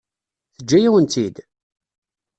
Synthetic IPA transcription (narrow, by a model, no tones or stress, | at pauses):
θəd͡ʒːæjæwənt̪id̪